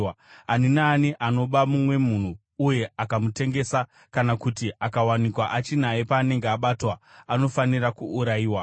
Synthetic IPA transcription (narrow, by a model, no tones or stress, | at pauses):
aninaːniʔano̞ɓamumwe̞mun̤uː | je̞akamute̞ŋɡe̞sa | kanakutiakawanikwaʔat͡ʃin̤aepaːne̞ŋɡeaɓatwaano̞fanirakuːɾaiːwa